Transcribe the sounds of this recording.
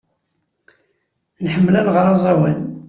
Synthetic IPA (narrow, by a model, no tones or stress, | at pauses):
nħəmːlænʁəɾˤɑzˤɑwæn